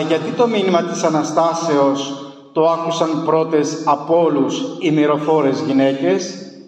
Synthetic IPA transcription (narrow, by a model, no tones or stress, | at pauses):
ʝɐt̪it̪o̞minimɐt̪isɐnɐst̪ɐse̞o̞s | t̪o̞ɐkusɐnpɾo̞t̪e̞sɐpo̞lusimiɾo̞fo̞ɾe̞zʝine̞ce̞s